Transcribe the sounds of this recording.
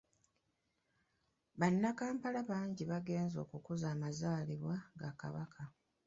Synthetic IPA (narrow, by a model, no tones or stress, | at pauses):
βanːakaːmpalaβaːɲɟiβaɡe̞ːnzo̞̰ːkukuzaːmazaːliβwaɡaka̰βakʰa